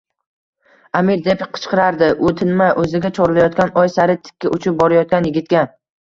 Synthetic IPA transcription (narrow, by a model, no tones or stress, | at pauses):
amiɾd̪e̞pqʰɨ̥t͡ʃqʰɨɾaɾd̪ɪʔɵt̪ʰɪnmajʔɵzɪɡʲat͡ʃʰɒɾlajɒt̪kʲanɒjsaɾɪt̪ʰɪ̥kʲʰːaʔʊt͡ʃʰɪp̚bɒɾajɒt̪̚kʲanjɪɡʲɪt̪̚kʲa